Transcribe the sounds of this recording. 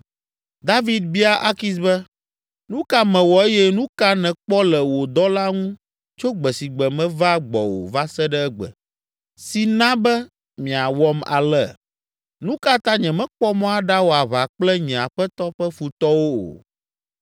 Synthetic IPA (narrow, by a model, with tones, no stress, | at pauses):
d̪a˦vi˦d̪̚bi˦a˦ʔa˦ki˦s̬bɛ˦ | nũ˦ka˦mɛ̃˨wɔ˨e˦jɛ˦nũ˦ka˦nɛ̃˨k͡pɔ˦lɛ˨wo˨d̪ɔ˦la˦ŋũ˦ | t͡ʃo˦ɡ͡bɛ˨si˨ɡ͡bɛ˨mɛ̃˦va˦ɡ͡bɔ̰˨wo̰˨va˦sɛ˦ɖɛ˦ɛ˦ɡ͡bɛ̰˨ | si˨nã˦bɛ˦ | mĩ˨a˨wɔ˦ma̰˨lɛ˦ | nũ˦ka˦t̪ã˦ɲɛ̃˨mɛ̃˦k͡pɔ˦mɔ̃˦a˨ɖa˦wo˨a˨βa˨k͡plɛ˦ɲɛ̃˨a˨ɸɛ˦t̪ɔ˦ɸɛ˦fu˨t̪ɔ˦wo˦o̰˨